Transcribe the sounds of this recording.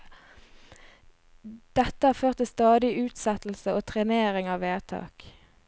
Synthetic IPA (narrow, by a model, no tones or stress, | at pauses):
d̪̥ɛt̪ːəhɑːføːʁt̪ɪst̪ɑːd̪ɪʔʉːt̪sɛt̪l̩səoːt̪ʰʁɛneːʁɪŋɑːʋeːʁt̪ʰɑ̰ːk